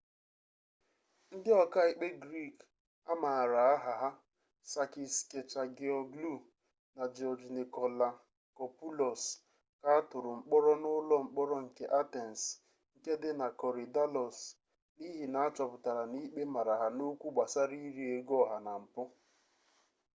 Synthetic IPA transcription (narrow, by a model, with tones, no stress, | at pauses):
n̩˦dɪ˦ɔ˨ka˦i˦k͡pe˦ɡɾi˦˨k | a˦ma˨ɾa˨a˦ɦa˨ɦa˦ | sa˨ki˨ske˨t͡ʃa˨ɡe˨ɔ˨ɡlu˦˨ | na˨d͡ʒɔ˨d͡ʒni˨kɔ˨la˨ | kɔ˨pu˦lɔ˨s | ka˦a˦tʊ˨ɾʊ˨ŋ͡m̩˦k͡pɔ˦ɾɔ˦nʊ˦lɔ˦ŋ͡m̩˨k͡pɔ˦ɾɔ˦ŋ̩˨ke˦ʔa˦te˨n̩˨s | ŋ̩˨ke˦dɪ˦na˨kɔ˨ɾi˨da˦lɔ˨s | ni˦ɦi˨na˨a˦t͡ʃɔ˨pʊ˨ta˨ɾa˨ni˦k͡pe˦ma˨ɾa˨ɦa˨no˦kʷu˦ɡ͡ba˨sa˦ɾi˦ɾi˨e˨ɡɔ˦˨ɦa˨na˨m̩˨pʊ˦